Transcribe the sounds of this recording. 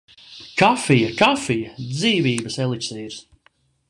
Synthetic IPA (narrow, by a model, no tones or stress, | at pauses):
kafijakafijad̪ziːviːbəsɛlˠiksiːɾs